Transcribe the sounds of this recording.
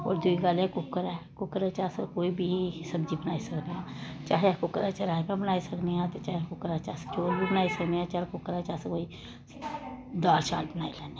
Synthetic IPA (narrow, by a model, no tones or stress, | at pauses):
ɔ̰ːɾd̪uiɡaːlekʊkːəɾɛkʊkəɾɛt͡ʃaːsekoːibʱisɐbd͡ʒibənaːisɐkneɦãːt͡ʃaːɦekʊkəɾat͡ʃɐɾaːmãbənaːisɐkneɦãt̪ot͡ʃaːɦekʊkːəɾat͡ʃa̰ːɦse̥t͡ʃoːɾbʱibənaːisɐkneãt͡ʃaːɦekʊkəɾaːt͡ʃaːɦsekoːi | d̪aːlt͡ʃa̰ːlbənaːilɛːne